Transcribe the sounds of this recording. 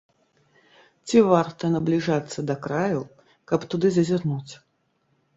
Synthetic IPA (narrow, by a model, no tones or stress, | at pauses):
t͡sʲivart̪ɐnɐblʲiʐat̪sːɐd̪ɐkɾaju | kɐpt̪ud̪ɨzɐzʲirnut͡sʲ